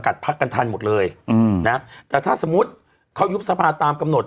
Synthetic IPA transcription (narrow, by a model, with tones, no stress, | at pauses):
ka˨˩t̪̚pʰa˦˥kːa˧nt̪ʰa˧nmo˨˩t̪̚lɤː˧jna˦˥t̪ɛː˨˩t̪ʰaː˥˩so˨˩˦mu˦˥t̪̚ | kʰa˦˥wju˦˥p̚sa˧pʰaː˧t̪ːaː˧mka˧mno˨˩t̪̚